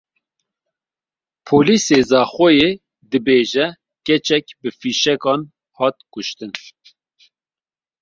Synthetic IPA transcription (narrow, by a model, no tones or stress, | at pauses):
pʰoːliːseːzɑːxojeː | d̪ɨbeːʒɛ | kɛt͡ʃɛk̚bɨfiːʃɛkɑːn | hɑːt̪̚kʊʃt̪ɨn